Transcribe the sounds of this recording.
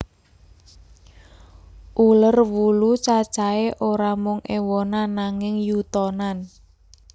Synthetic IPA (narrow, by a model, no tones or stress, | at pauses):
ʔulərwulut͡ʃḁt͡ʃaeʔoɾamʊŋʔewɔnanaŋɪŋjut̪ɔnan